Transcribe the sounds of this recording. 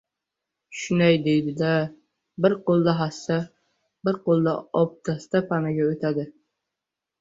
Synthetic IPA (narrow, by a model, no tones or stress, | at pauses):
ʃʊnajd̪ejd̪ɪd̪a | bɪɾqʰolˠd̪aɦasa | bɪɾqʰolˠːaɒp̚t̪ʰast̪apʰanaɡʲaɵt̪ʰad̪ɪ